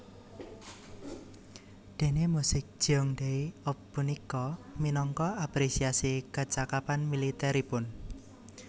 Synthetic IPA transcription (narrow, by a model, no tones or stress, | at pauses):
d̪̥e̤nemusɪk̚d̥ʒ̥ɔŋd̪eiɔpːunikɔminɔŋkɔapɾesiasikat͡ʃakapanmilit̪ɛɾipʊn